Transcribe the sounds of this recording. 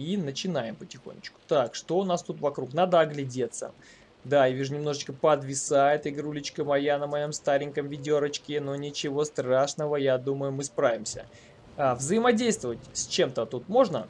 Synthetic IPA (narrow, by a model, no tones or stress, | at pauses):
inət͡ɕɪnajɪmpətʲɪxo̰nʲːɪ̰t͡ɕkʊ̥t̪akʂt̪o̞ʊnast̪ut̪vɐkɾukn̪ad̪əɐɡlʲɪdʲet̪sə̰ | d̪aivʲiʐnʲɪmno̞ʐɨt͡ɕkəpəd̪vʲɪsaɛt̪əjɡɾulʲɪt͡ɕkəmɐjanəmɐjo̞mst̪aɾʲɪnʲkəmvʲɪdʲoɾət͡ɕkʲɪnonʲɪt͡ɕɪvo̞st̪ɾaʂnəvəjad̪uməjʊmɨspɾavʲɪmsʲə̰ | avzəjɪmɐdʲejst̪vəvətʲsʲt͡ɕe̞mt̪ət̪ut̪mo̞ʐnə̰